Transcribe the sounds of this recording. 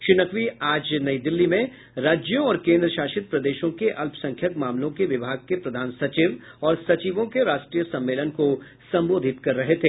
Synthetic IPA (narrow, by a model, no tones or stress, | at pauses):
ʃɪnəkʋiaːd͡ʒnɐid̪ɪlːimẽ | ɾaːd͡ʒjõɔːɾkẽːnd̪ɾəʃaːʃɪt̪̚pɾɐd̪eːʃõkeʔɐlpsɐ̃ŋkʰjəkmaːmlõkeʋɪbʱaːɡ̚kepɾɐd̪ʱaːnsɐt͡ʃiʋ | ɔːɾsɐt͡ʃiːʋõkeɾaːʃʈɾijəsɐ̃mːeːlənko | sɐ̃mboːd̪ʱɪt̪kɐɾːɐɦet̪ʰeː